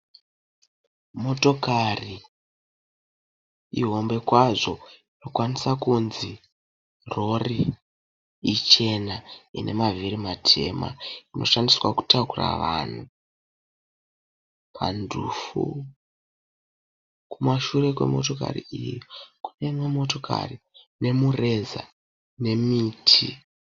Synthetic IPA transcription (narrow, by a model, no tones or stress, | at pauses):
mo̞to̞kari | iɦo̞mbe̞kwaʐo̞ino̞kwanisakunzi | ro̞ri | it͡ʃe̞nainʔe̞maviɾimatʰe̞̰ma̰ino̞̰ʃandiswaku̥takura̰ʋaːn̤u | pʰa̰ndʱuːfu | kumaʃure̞kwe̞̰mo̞to̞ka̰rḭijoku̥ne̞mwemo̞to̞ka̰ri | ne̞mure̞za̰ | ne̞miːtʰi